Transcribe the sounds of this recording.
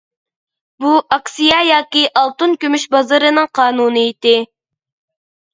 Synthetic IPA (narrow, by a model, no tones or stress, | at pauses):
buʔɑksijɑjɑːkʲiʔɑlˠt̪unkʲymyʃbɑzɨɾɨnɨŋqʰɑːnuːnɨit̪ɪ